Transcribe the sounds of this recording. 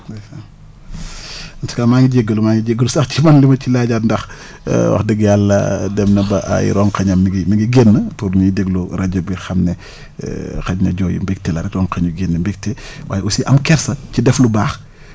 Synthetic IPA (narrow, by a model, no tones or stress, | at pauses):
ɐntu̥kaːmaːŋiɟeɡːəlumaːŋiɟeɡːəlsɐxt͡ʃimɐnlimɐcilaɟaːtndɐx | wɐ̰xdəɡjalːɐ̰dɛmnɐbɐʔa̰j̰ɾɔŋkɐɲɐmːiɡimiɡiɡenːətuɾɲuidɛɡluɾɐɟɐbixɐmnɛ̰ | xɐɟnɐ̰ɟɔːjṵmbik̚tɛlɐɾɛkrɔŋkɐɲuɡenːəmbik̚tɛwʔaːjɛusiʔɐmkɛɾsɐcidɛflubaːx